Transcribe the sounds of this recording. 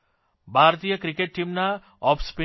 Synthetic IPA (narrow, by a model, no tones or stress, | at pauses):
bʱaɾt̪ijəkɾikeʈ̚ʈimna | ɔpspi